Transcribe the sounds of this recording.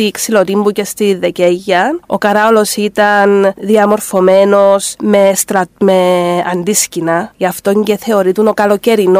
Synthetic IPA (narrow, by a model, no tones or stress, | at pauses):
iksilo̞t̪imbucest̪iðːe̞ceʝːɐo̞̰kɐɾɐolo̞sit̪ɐnðiɐmo̞ɾfo̞me̞no̞sme̞st̪ɾɐt̪meɐnd̪iscinɐceɐft̪o̞ɲɟeθe̞o̞ɾit̪uno̞kɐlo̞ce̞ɾino